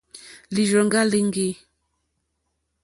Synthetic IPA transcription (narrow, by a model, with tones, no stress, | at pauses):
li˨ʒɔ˨ŋ˦ɡa˦li˦ŋ˦ɡe˦